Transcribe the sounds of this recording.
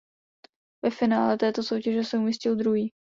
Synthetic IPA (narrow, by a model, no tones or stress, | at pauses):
vɛfɪnaːlɛt̪ɛːt̪o̞sowcɛʒɛsɛumɪscɪld̪ɾuɦiː